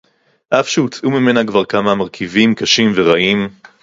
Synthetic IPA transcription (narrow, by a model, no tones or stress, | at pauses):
ʔafʃuut͡sʔumime̞nakvaʁkamamaʁkʰivimkaʃimveʁaʔim